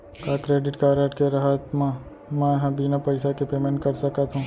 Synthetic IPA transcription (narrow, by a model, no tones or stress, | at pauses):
kakɾeːɖɪʈkaːɾeʈkeɾɐɦat̪mã | mɛ̃jɐɦãbiːnapɐɪsakepeːmẽɳʈ̚kɐɾsɐkat̪ɦũː